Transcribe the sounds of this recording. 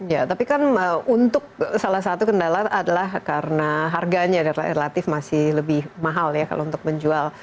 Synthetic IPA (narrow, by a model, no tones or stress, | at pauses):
jat̪apikanəunt̪ʊk̚salahs̬at̪ukəndalaadalahkaɾənaɦarɡaɲadaɾ̰relat̪ɪfmasɪhləbɪhmaɦaljaka̰lʔount̪ʊk̚məɲd͡ʒual